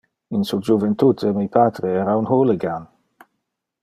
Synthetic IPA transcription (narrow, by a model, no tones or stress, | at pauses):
insud͡ʒuvent̪ut̪ʰemipat̪ɾeɛɾaunɦoleɡan